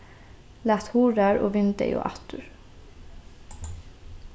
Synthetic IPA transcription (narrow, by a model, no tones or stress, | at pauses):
læːt̪huːɾæːɹo̰ːʋɪnd̪ə̰jʔo̰ːʔɑ̰t̪ʰʉɹ